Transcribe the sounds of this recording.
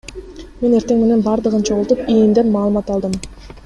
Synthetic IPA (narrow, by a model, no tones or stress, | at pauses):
me̞ne̞ɾt̪e̞ŋme̞ne̞nbɑɾd̪ɯʁɯnt͡ʃʰo̞ʁulˠt̪upijimd̪e̞nmɑːlˠɯmɑt̪ɑlˠd̪ɯm